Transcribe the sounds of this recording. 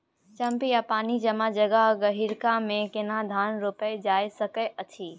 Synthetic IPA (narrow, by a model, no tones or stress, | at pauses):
t͡ʃɐ̃mpijapaːnid͡ʒɐmãd͡ʒɐɡaɦɡəɦiɾkãmẽkɪnad̪ʱaːnɾopəjd͡ʒaːesɐkəətʰiː